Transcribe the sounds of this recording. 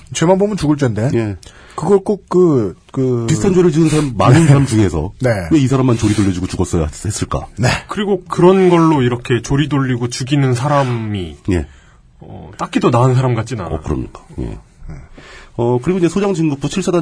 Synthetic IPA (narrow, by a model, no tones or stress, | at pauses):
t͡ɕemanbomɯnt͡ɕuɡɯɭt͡ɕ͈ʌnde̞je̞ | kɯɡʌɭk͈ok̚k͈ɯkɯpistʰand͡ʑoɾɯɭd͡ʑiɡɯnsʰaɾamːannɯnsaɾamt͡ɕuŋe̞sʰʌ̰ne̞we̞isʰaɾamːant͡ɕoɾidoʎːʌd͡ʑuɡot͡ɕuɡʌs͈ʌja̰he̞s͈ɯɭk͈a̰ne̞kɯɾiɡokɯɾʌnɡʌɭːoiɾʌkʰe̞t͡ɕoɾidoʎːiɡot͡ɕuɡinɯnsʰaɾamije̞̰ | ʌ̰t͈ak͈idonaɦɯnsʰaɾamɡat͡ɕ͈ina̰ʌ̰kɯɾʌ̰mɲḭk͈ḁjḛ | eʌkɯɾiɡoiɲd͡ʑesʰod͡ʑaŋd͡ʑiŋɡup͈uɕʰiɭs͈ʰada